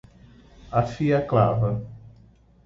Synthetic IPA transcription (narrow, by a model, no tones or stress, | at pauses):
afiaklavɐ